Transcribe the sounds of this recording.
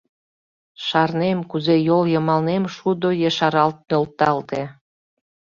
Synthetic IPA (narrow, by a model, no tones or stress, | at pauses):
ʃɑrnemkuzejoljəmɑlnemʃud̪ojəʃɑɾɑlt̪̚nølt̪ɑlt̪e